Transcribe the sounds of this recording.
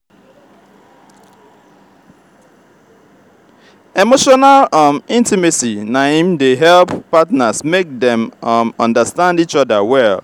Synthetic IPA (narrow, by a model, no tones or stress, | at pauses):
emoʃɔnalʌmĩntimisinahĩmdeɦɛlpːatnasmek̚dɛ̃mmɔ̰̃ndəstãndit͡ʃɔdawɛl